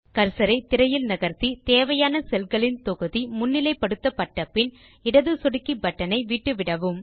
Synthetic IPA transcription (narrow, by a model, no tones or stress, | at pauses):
kɐɾsɐɾɐɪt̪ɪɾɐjɪlnɐɣɐɾt̪it̪eːʋɐjaːnɐsɛlɣɐɭɪnt̪ɔɣɯðimʊnːɪlɐɪpːɐɽɯt̪ːɐpːɐʈːɐpːɪn | ɪɽɐðɯsɔɽɯkːibɐʈːɐnɐɪʋiːʈːɯʋɪɽɐʋɯm